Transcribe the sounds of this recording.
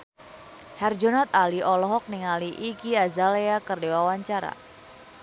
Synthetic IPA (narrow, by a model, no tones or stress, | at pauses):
hɛrd͡ʒonat̪̚aliɔlɔɦɔk̚niŋaliʔikiazaleakərdewawaɲt͡ʃaɾa̰